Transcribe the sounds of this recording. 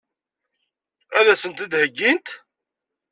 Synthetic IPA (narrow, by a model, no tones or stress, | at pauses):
æðæsənt̪id̪həɡːint̪